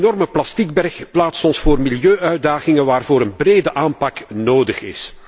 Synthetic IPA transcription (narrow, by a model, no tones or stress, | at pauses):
nɔrməplɑstiɡ̚bɛrxplaːtstɔnsfoːrmiljøːʔœɥdaːɣɪŋəʋaːrvoːɾənbreːdəʔaːmpɑknoːdəχɪ̰s